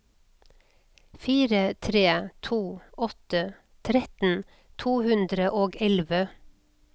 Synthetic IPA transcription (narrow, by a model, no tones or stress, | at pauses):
fiːɾət̪ʰɾeːt̪ʰuːʔɔt̪ə | t̪ʰɾɛt̪n̩ | t̪ʰuːhʉnd̪ɾəʔoːɡɛlʋə